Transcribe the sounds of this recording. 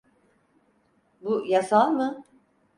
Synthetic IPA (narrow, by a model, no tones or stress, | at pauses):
bujasalˠmɯ